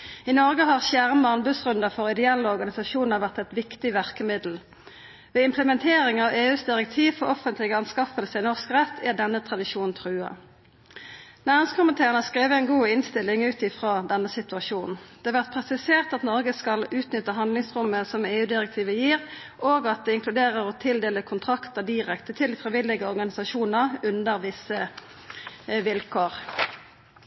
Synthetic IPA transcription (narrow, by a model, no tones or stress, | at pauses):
ɪnɔʁɡəɦɑʁsjæʁmɑnbʉsʁʉnd̪əfɔʁɪd̪ɛɛlːəɔʁɡɑnɪsɑʃuːnəʁʋæʁt̪ɛt̪ʋɪkt̪ɪʋæʁkəmɪd̪l̩ | ʋeːɪmpʰləmɛnt̪ʰeːɾɪŋɑʋeːʉːsd̪ɪʁɛk̚t̪ʰiːʋfɔʁɔfənt̪lɪɡəɑnskɑfəlsəɪnɔʁskʁɛt̪ʰːæd̪ɛnːət̪ʰʁɑd̪ɪʃuːnn̩t̪ʰʁʉːɑ̰ | næːʁɪŋskʰʊmɪnt̪ʰeːʁənɑskʁeːʋəɛɪnɡuːɪnst̪ɪlɪŋʉːt̪ɪfʁɑːd̪ɛnːəsɪt̪ʉɑʃuːnn̩d̪̥ɛːɑʋæʁt̪̚pʰʁɛsɪseːʁt̪ɑt̪nɔʁɡəskɑlʉːt̪nʏt̪ːəɦɑnd̪lɪŋsʁʊmːəsɔmeːʉːd̪ɪʁɛk̚t̪ʰiːʋəjiːʁ | ʔoːɡɑt̪̚d̪ɛɪŋklʉd̪eːʁəʁɔt̪ʰɪld̪eːləkʰʊnt̪ʰʁɑkt̪əd̪iːʁɛkt̪ət̪ʰɪld̪iːfʁɪʋɪlɪɡəɔʁɡɑnɪsɑʃuːnəʁʉnd̪əʁʋɪsə | ʋɪlkʰoːʁ